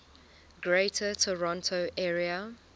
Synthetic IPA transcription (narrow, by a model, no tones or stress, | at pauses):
ɡɹeɪtʰətʰəɹɔ̃ntʰoʔɛɹiə